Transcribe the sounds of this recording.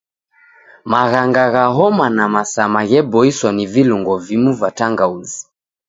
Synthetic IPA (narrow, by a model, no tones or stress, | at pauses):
maɣaŋɡaɣaɦɔmanamasamaɣɛbɔiswaniviluŋɡɔvimuvataŋɡauzi̥